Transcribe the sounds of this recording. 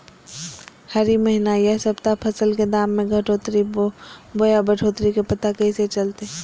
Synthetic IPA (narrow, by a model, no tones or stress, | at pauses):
hɐɾiməɦinajɛɦsɐbt̪apʰɐsəlked̪aːmːẽɡʱɐʈʰot̪ɾi | bojabəʈʰoːt̪ɾikepɐt̪akɐɦĩset͡ʃɐlt̪e